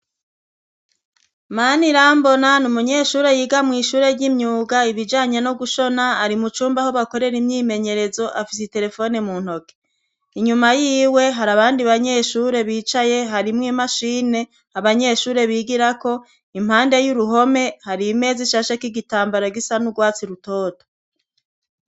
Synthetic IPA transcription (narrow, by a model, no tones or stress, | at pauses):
maniɾaːmbo̞nanumuɲe̞ːʃuːɾe̞jiːɡamŋiːʃuːɾe̞ɾɟimɲuːɡaiβid͡ʒaːɲenoɡuʃo̞naːɾimut͡ʃuːmbaho̞βako̞ɾe̞ɾimɲiːme̞ɲe̞ɾe̞zo̞ʔafisite̞ɾe̞fo̞nemun̥ho̞ke̥ | iɲumajiːwe̞ɦaɾaβaːndiβaɲe̞ʃuːɾe̞βiːt͡ʃaje̞ɦaɾimŋiːmaʃiːne̞ | aβaɲe̞ʃuːɾe̞βiɡiɾako̞ | im̥haːnde̞juɾuɦo̞me̞haɾime̞ːziʃaʃakiɡitaːmbaɾaɡisanuɡwaːt͡siɾutoːto̥